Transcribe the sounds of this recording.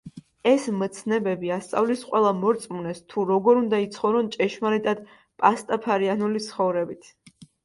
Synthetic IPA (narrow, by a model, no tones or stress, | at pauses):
ɛsmt̪sʰnɛbɛbiast̪sʼa̰vlisqʼwɛlˠamɔɾt̪sʼmunɛst̪ʰuɾɔɡɔɾund̪ait̪sʰχɔvɾɔnt͡ʃʼɛʃmaɾit̪ʼad̪ | pʼast̪ʼapʰaɾianulit̪sʰχɔvɾɛbit̪ʰ